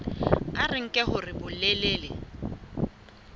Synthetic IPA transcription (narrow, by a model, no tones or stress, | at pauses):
arɪŋ̩kʼɛɦʊrɪbʊleleːlɪ